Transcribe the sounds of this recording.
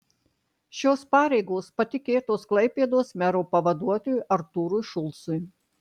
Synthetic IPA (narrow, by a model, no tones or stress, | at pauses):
ʃʲoːspɑːɾʲɛɪɡoːspɐt̪ʲɪkʲeːt̪oːsklˠɐɪpʲeːd̪oːsmʲɛɾoːpɐʋɐd̪uɔt̪oːjʊʔɐɾt̪uːɾujʃʊlˠsʊj